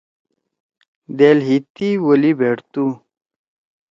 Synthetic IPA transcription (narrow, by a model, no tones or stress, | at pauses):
d̪eːlɦit̪iwolibʱeːʈt̪u